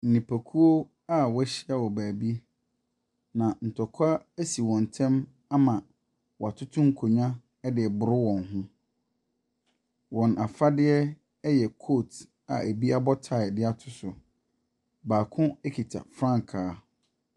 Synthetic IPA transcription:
n̩˨nĩ˨pʰæ˨kʰu˦o˦ | a˦wɛ˦ɕɪ˦a˦wɔ˨bæː˨bi˦ | nã˨n̩˨tʰɔ˨kʰa˦æ˦si˨wɔ̃˨n˨tʰɛ̃˦m | a˦mã˨ | wɔ˨a˨tʰʊ˦tʰʊ̃˦ŋ̩˦kʰo˨ɲã˦ | ɛ˦dɪ˨ɛ˨bʊ˨ɾʊ˦wɔ̃˨nɦʊ̃˦ | wɔ̃˨nʔa˨fa˦dɪ˦ɛ˦ | jɛ˨kʰo˦˨t | a̰˨ʔæ˨bi˦a˦bɔ˦tʰa˨dɪ˦a˦tʰʊ̥˨sʊ˨ | baː˨kʰʊ̃˦ɛ˦kʰi˨tʰa̰˨fɾã˦ŋ˨kʰaː˨˦

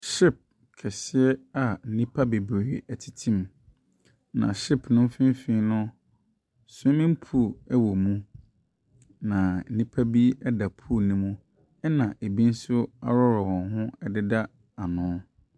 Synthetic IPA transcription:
ʃɪ˦˨p̚ | kʰɛ˨sɪ˦ɛ˦a˨n̩˦˨nĩ˦pʰa˦be˨bɾeː˨æ˨tʰi̥˨tʰĩ˦˨m | nã̰˨ɕi˦pʰnʊ̃˦m˦fɪ̃˦m˦fĩ˦nʊ̃˦ | sʊ̃˦mĩ˦m̩˦pʰu˦˨ɛ˦wɔ˨mũ˦ | nã˨n̩˦nĩ˦pʰa˦bi˦ɛ˦da˨pʰu˦nĩ˦mũ˦ | ɛ˦nã˨ʔe˨bĩ˦n̩˦sʊ˦a̰˦ɾɔ˦ɾɔ˨wɔ̃˨nɦʊ̃˦ɛ˨dɪ˦da˦ | a˨nʊ̃˨˦

